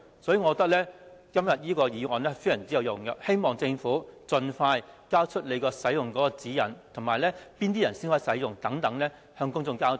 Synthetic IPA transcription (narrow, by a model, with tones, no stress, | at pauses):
sɔː˨˥jyː˨˧ŋɔː˨˧t̪ɐ˥k̚lɛː˥kɐ˥mjɐ˨t̚jiː˥kɔː˧jiː˨˧ŋɔː˨nɛː˥fe˥jɐ˨˩nt͡siː˥ɐ˨˧wjʊ˨˩ŋjɐ˨˩khe˥jmɔː˨˩ŋt͡sɪ˧ŋfuː˨˥t͡sɵ˧nfaː˧jkaː˥wt͡ʃʰɵ˥t̚le˨˧jkɔː˧sɐ˨˥jjʊ˨ŋkɔː˨˥kɔː˧t͡siː˨˥jɐ˨˩nt̪ʰʊ˨˩maː˨˩jlɛː˥piː˥nt̪i˥jɐ˨˩nsiː˥nhɔː˥jsɐ˨˥jjʊ˨ŋt̪ɐ˨˥ŋt̪ɐ˨˥ŋlɛː˥ | hœː˧ŋkʊ˥ŋt͡sʊ˧ŋkaː˥wt̪